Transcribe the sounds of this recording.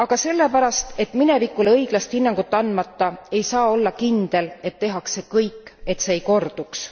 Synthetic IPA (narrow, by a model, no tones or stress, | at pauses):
ɑɡ̥ɑse̞lːe̞pæɾɑst̪e̞t̪ːˑminɛvikːuleɤjɡ̥lɑst̪hinːɑŋɡ̥ut̪ːˑɑnd̪mɑt̪ːɑe̞jsɑːo̞lːɑkind̪̥e̞le̞t̪ːeɦɑkse̞kɤjkːˑe̞t̪seːjko̞rd̪̥uks